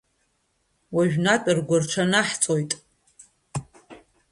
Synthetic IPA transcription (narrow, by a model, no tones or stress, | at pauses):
waʒᶣnatʼɨrɡʷarʈ͡ʂʷʰanaħt͡sʼojtʼ